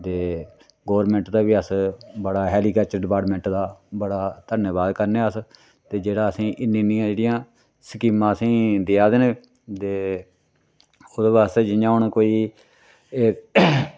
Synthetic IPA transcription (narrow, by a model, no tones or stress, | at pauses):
t̪eː | ɡoːʋəɾmɛ̃ɳʈd̪aːʋiːəsbəɽaːɦɛːliːkaːt͡ʃəɾɖɪpaːʈmɛ̃ɳʈd̪aːbəɽaːt̪ənəbaːd̪kəɾneːəs | t̪eːd͡ʒeːɽaːəsĩːʔɪnĩnɪjãːd͡ʒeːɽɪjãː | səkiːmãːəsĩːd̪ɪaːd̪eːneː | t̪eː | ʊd̪based͡ʒɪãːɦʊɳkoːiː | e